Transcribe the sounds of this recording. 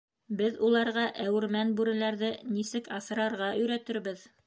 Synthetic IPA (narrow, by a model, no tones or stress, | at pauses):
bɘðulˠɑɾʁɑʔæwɘ̆ɾmænbʉɾɘ̆læɾðɘnisɘkɑsɤ̆ɾɑɾʁɑʔɵ̆jɾæt̪ɘ̆ɾbɘð